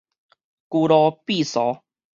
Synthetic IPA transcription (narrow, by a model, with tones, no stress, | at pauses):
ku˧ɾɔ˧pi˥˧˨sɔ˨˦